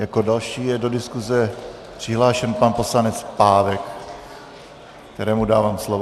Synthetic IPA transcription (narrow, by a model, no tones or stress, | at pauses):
jakodalʃiːjɛdo̞dɪskuzɛ | pr̝̥ɪɦlaːʃɛnpanpo̞slanɛt͡spaːvɛk | kt̪ɛɾɛːmudaːvaːmslovo